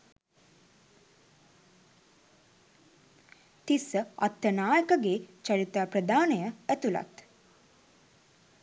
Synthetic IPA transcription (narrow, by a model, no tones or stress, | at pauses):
t̪isəat̪jənaːjəkəɡeːt͡ʃaɾit̪aːpɾəd̪aːnəjəæt̪ula̰t̪